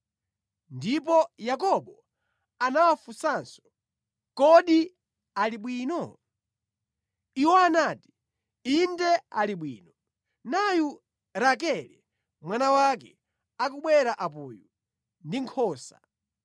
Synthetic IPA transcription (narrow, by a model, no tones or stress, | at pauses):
ndip̬ɔjak̬ɔɓɔ | anawafusaːnsɔ̥ | kɔɗi | aliɓwiːnɔ | iwɔanaːti̥ | indɛa̰liɓwḭːnɔ | naju | ɾak̬ɛlɛ | mwanawak̬ɛ | akuɓwɛɾaʔapuːju | ndiŋkʰɔːsa̰